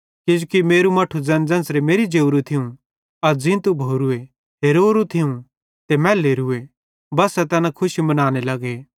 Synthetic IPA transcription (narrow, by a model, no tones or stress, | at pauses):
kɪd͡ʒukimeːɾumɐʈʰud͡zɐ̃nd͡zɐ̃nsɾemeːɾid͡ʒeːʊɾut̪ʰɪũ | ɐd͡zɪ̃t̪ubʱoːɾue | ɦeːɾoːɾut̪ʰɪũ | t̪emɛ̃ːleːɾʊe | bɐsːɛt̪ɛːnãkʰʊʃimɐnaːñelɐɡe